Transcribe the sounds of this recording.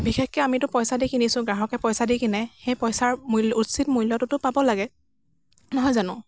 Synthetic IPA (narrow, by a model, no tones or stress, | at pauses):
bixexkɛamitʊpɔjsadikinisʊ̃ɡɹaɦɔkɛpɔjsadikinɛxejpɔjsaɹmulutsit̚mujlɔtʊtʊpabɔlaɡɛ | nɔɦɔjzanʊ̃